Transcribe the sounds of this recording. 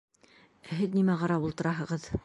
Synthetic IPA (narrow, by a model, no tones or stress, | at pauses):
æɦɘðnimæʁɑɾɑpulˠt̪ɤ̆ɾɑɦɤ̆ʁɤð